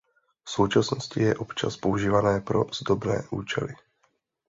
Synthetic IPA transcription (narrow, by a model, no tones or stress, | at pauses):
fso̞wt͡ʃasno̞scɪjɛʔo̞pt͡ʃa̰spo̞uʒiːvanɛːpɾo̞zdo̞bnɛ̰ːʔuːt͡ʃɛ̰lɪ